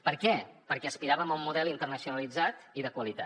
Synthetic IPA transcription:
pəɾkɛpəɾkɛəspiɾaβəmumːuðɛlint̪ərnəsiunəlid͡zat̪iðəkwəlit̪a̰

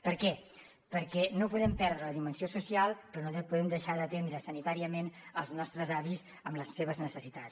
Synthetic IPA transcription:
pəɾkɛ | pəɾkɛnopuðɛmpɛɾðɾələðimənsiosusialˠpɾɔnoðɛpuðɛmd̪əʃaðət̪end̪ɾəsənit̪aɾiəmenəlˠznɔst̪ɾəzaβis | əmləsːeβəznəsəsit̪as

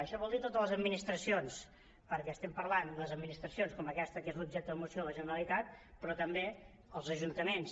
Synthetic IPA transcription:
əʃɔβɔlˠd̪it̪ot̪ələzəd̪minist̪ɾəsions | pəɾkɛst̪ɛmpəɾland̪əəzəd̪minist̪ɾəsionskɔməkɛst̪əkezlub̚ʒɛk̚t̪əðəmusioləʒənəɾəlit̪at̪̚pɾɔt̪əmbe | əlˠzəʒunt̪əmens

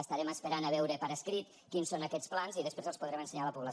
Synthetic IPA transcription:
əst̪əɾɛməspəɾanəβ̞ɛwɾəpəɾəskɾit̪ | kinsonəkɛt͡splanziðəspɾezəlˠspuðɾɛmənsəɲaləpuβlə

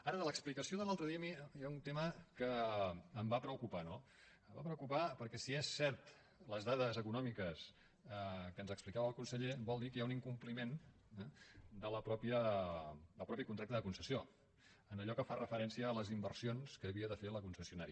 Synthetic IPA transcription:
aɾəðələksplikəsioðəlalˠt̪ɾəðiəmijaunt̪eməkəː | mbapɾəukupano | əmbapɾəukupapəɾkɛsiesːɛɾt̪ | ləzðaðəzəkunɔmikəs | əkənzəksplikaβəlˠkunsəʎebɔlˠd̪ikəjauniŋkumplimen | ɛd̪ələpɾɔpiə | d̪əlˠpɾɔpikunt̪akt̪əðəkunsəsio | ənəʎɔkəfarʔəfəɾɛnsiəːləzimbərsionskəːβiəðəfeləkunsəsiunaɾi

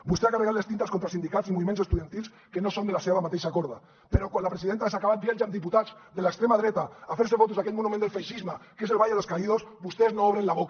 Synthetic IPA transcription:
bust̪eakareɣat̪lest̪int̪askont̪ɾalsind̪ikatsimuβimensest̪uðjant̪ils | kenosond̪elaseβamat̪ejʃakoɾða | peɾokwanlapɾesiðent̪aesakaβat̪bjelʒamd̪iput̪azðelaekst̪ɾemaðɾet̪aːfeɾsefot̪uzðaket̪monumend̪elfejʃizmakeselβajeðeskaiðosbust̪eznooβɾenlaβok

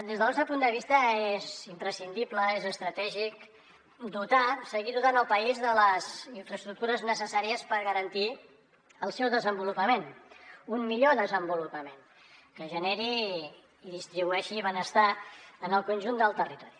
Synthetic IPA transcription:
d̪ezðəlɔst̪ɾəpund̪əβist̪əezimpɾəsind̪ipləezəst̪ɾət̪ɛʒik | d̪ut̪asəɣiðut̪anəlˠpəizðələziɱfɾəst̪ɾuk̚t̪uɾəznəsəsaɾiəspəɾɣəɾənt̪i | əlˠsɛwðəzəmbulupəmenummiʎoðəzəmbulupəmen | kəʒənɛɾiː | ðist̪ɾiβuɛʃiβənəst̪aənəlˠkunʲʒund̪əlˠt̪ərit̪ɔɾi

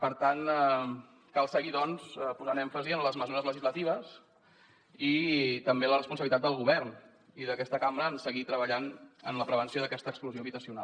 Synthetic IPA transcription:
pəɾt̪anɛ | kalˠsəɣiðɔnsɛpuzanɛɱfəziənləzməzuɾəzləʒizlət̪iβ̞əs | it̪əmbelərəspunsəβilit̪at̪d̪əlˠɣuβɛrn | iðəkɛst̪əkambɾəːnsəɣit̪ɾəβəʎanə̰nləpɾəβ̞ənsijoðəkɛst̪əːkspluzjoβit̪əsiuna̰lˠ

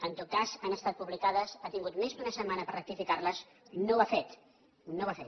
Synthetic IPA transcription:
ənt̪ot̪̚kazanəst̪at̪̚puβlikaðəsat̪iŋɡut̪mezk̪unəsəmanəpərək̚t̪ifikarləz | noafet̪ | noβafet̪

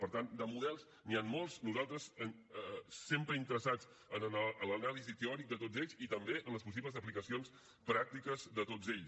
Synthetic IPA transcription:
pəɾt̪and̪əmuðɛlˠz | nianmolˠznuzalˠt̪ɾəs | sempɾəint̪əɾəsad͡z | ənənaələnalizit̪eɔɾik̚d̪ət̪od͡zeʎzit̪əmbeənləspus̬iβləzəplikəsions | pɾak̚t̪ikəzðət̪od͡zeʎ

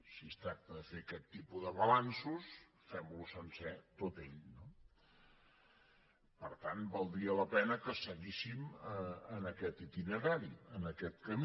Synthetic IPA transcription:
sist̪ɾak̚t̪əðəfekɛt̪ːipuðəβəlansus | fɛmlusənsɛt̪ot̪eʎno | pəɾt̪anbalˠd̪ɾiələpɛnəkəsəɣisiməənəkɛt̪it̪inəɾaɾiənəkɛt̪kəm

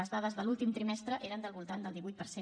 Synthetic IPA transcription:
əzðaðəzðəlulˠt̪imt̪ɾimɛst̪ɾəʔeɾənd̪əlˠβulˠt̪and̪əlˠd̪iβujt̪̚pəɾse

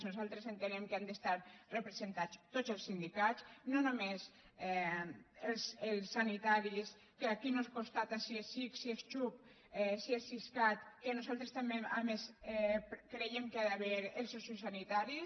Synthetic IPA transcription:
nuzalˠt̪ɾezent̪enemkeand̪est̪aɾrepɾezent̪at͡st̪ozelˠsind̪ikat͡snonumes | ɛ | elselˠsːanit̪aɾis | keakinoskunst̪at̪asiesiksiest͡ʃup | ɛsiesiskat̪kenuzalˠt̪ɾest̪ameamesɛkɾejemkeaðaβeɾelˠsosisanit̪aɾi

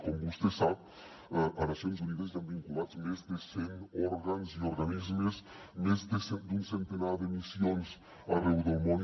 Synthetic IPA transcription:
kõmbust̪esa | ʔɐnasjõŋs̬uniðɐs̬t̪ãmbĩŋkulad̪zmezd̪ɪseŋɔɾɣanzioɾɣanizmez | nezd̪esed̪ũnsẽnt̪enaɾd̪emisjõns | ɐrewd̪owmõ

